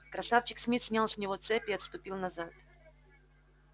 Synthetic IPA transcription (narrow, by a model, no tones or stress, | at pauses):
kɾɐsaft͡ɕɪksʲmʲit̪sʲnʲalˠsʲnʲɪvot̪sɛpʲɪɐt̪st̪ʊpʲilˠnɐzat̪